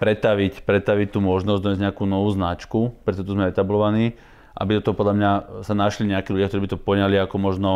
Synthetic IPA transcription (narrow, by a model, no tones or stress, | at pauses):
pɾɛt̪aʋicpɾɛt̪aʋict̪uːmɔʒnɔzɟd̪ɔɲjɛzɲɛakuːnɔʋuːznat͡ʃkupɾɛt̪ɔʒɛt̪uzmɛɛt̪ablɔʋaniː | ʔa̰bid̪ɔt̪ɔɦɔpɔd̪lʎamɲasanaʃliɲɛakiːlʎuɟjakt̪ɔɾiːbit̪ɔpɔɲaliakɔmɔʒnɔ